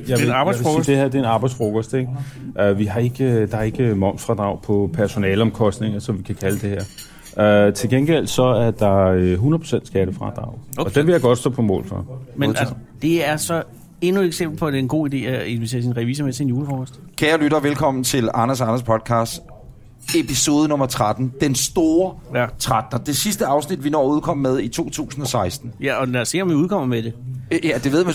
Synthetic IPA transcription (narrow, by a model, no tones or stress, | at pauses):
jaɑbäsid̥ehæɐd̥e̝ːnɑ̈ːb̥ɑ̈ɪd̥sfʁokʰɒsd̥eɡ̥ʔøʋiɦɑ̈e̝ɡ̥əd̥ɑ̈ɐe̝ɡ̥əmɒ̽ŋ̰sfʁɑ̈d̥ʁɑ̈ʊ̰pʰɒ̽pʰæɐso̝nɛ̰ːləɒ̽mkʰɒ̽sd̥ne̝ŋɐsɒ̽mʋikʰækʰæləd̥e̝heɐ̰ | øt͡sʰe̝lɡ̥enɡ̥el̰̥sɒ̽æɐd̥ɑ̈øɦunɐðˠpʰo̝send̥sɡ̥æɾəfʁɑ̈d̥ʁɑ̈ʊɒd̥enʋe̝jɑ̈ɡ̥ɒ̽d̥sd̥ɔ̰ːpʰɒ̽mɔ̰ːlfɑ̈mend̥e̝æɐsɒ̽ | e̝nueɡ̥sem̰b̥l̩pʰɒ̽deenɡ̥o̝̰ːid̥e̝̰ːæe̝nʋet͡sʰe̝ːɐsinʁɛʋḭːs̬əmet͡sʰenjuːləfɒːkɒsd̥kʰæːɐlyɾɐʋelkʰɒ̽m̰n̩t͡sʰe̝lɑ̈nɐsɑ̈nɐspʰɒ̽d̥̚kʰɑ̈ːsd̥ | e̝pʰiso̝ːð̞ˠənɔ̽mɐt͡sʰʁad̥n̩d̥ensd̥o̝ːɐt͡sʰʁad̥nɐd̥e̝sisd̥əɑ̈ʊsnid̥ʋinɒ̰ːuð̞̩ˠkʰɒ̽m̰ːmeð̞ˠit͡sʰo̝̰ːt͡sʰṵːsn̩ɒsɑ̈ɪsd̥n̩jæɒ̽næse̝̰ɐ̰ɒmʋiuːð̞ˠkɒ̽m̰ɐmed̥e̝æd̥e̝ʋe̝ð̰ˠmæ